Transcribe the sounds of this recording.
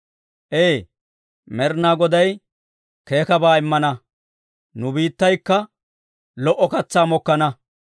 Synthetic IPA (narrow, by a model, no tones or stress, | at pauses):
ʔeː | mɛɾnaːɡɔd̪ɐj | ke̞ːkɐbaːɪmːɐnɐ | nʊbiːt̪ːɐjkːɐ | lɔʔɔkɐt͡sːaːmɔkːɐnɐ